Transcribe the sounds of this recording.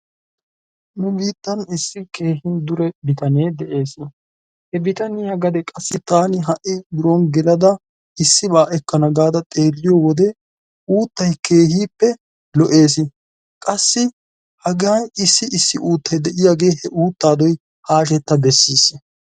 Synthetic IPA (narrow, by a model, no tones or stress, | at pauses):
nʊbiːt̪ːɐnɪsːɪkeːhɪnd̪ʊɾɛbɪt̪ɐneːd̪ɛʔeːsɪ | hɛbɪt̪ɐnɪjaɡɐd̪ɛkʼɐsːɪt̪aːnɪɦɐʔɪd̪ʊɾɔnɡɛlɐd̪ɐ | ɪsːɪbaːʔɛkːɐnɐɡaːd̪ɐt̪ʼeːlːɪjɔwɔd̪ɛ | uːt̪ːɐjke̞ːhiːpːɛ | lɔʔe̞ːs̬ɪ | kʼɐsːɪ | hɐɡɐjɪsːɪʔɪsːɪʔuːt̪ːɐjd̪ɛʔɪjaːɡe̞ːhɛʔuːt̪ːaːd̪ɔj | haːʃ̬ɛt̪ːɐbɛsːiːs